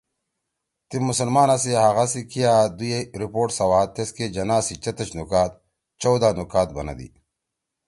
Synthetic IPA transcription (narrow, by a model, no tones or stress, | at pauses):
t̪imusɐlmaːnasiɦɐɣasikijaːd̪ujeɾipoːʈsɐwaːt̪esked͡ʑɐnaːsit͡ɕɐt̪ɐt͡ɕnukaːt̪̚ | t͡ɕɐwd̪aːnukaːt̪̚bɐ̰nɐ̰d̪ḭ